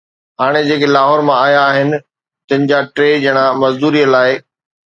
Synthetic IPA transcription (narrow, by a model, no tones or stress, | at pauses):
ɦaːɽ̃ed͡ʑeːkelaːɦɔːɾmãaːjaːɦɪnɪ̆ | t̪ɐ̃ɦɪ̃nɪ̆d͡ʑaʈɾeːd͡ʑɐɪɽ̃amɐzd̪uːɾijəlaːɪ